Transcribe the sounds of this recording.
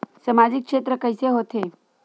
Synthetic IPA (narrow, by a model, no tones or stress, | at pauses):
səmad͡ʒɪkʃeːt̪ɾəkəjseɦoːt̪e